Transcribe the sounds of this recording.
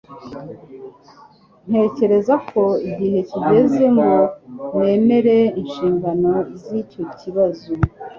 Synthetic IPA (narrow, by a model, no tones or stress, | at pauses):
n̥he̞ːce̞ɾe̞zakʰo̞iɟihe̞tuɟe̞zemɡone̞ːme̞ɾe̞inʃiːŋɡano̞izico̞ciβazu